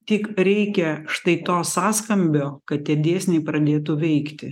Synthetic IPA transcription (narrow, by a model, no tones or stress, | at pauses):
t̪ʲɪkɾʲɛɪkʲɛʃt̪ɐɪt̪oːssɑːskɐmʲbʲoːkɐt̪̚t̪ʲiɛd̪ʲeːsʲnʲɛɪpɾɐd̪ʲeːt̪ʊʋʲɛɪkt̪ʲɪ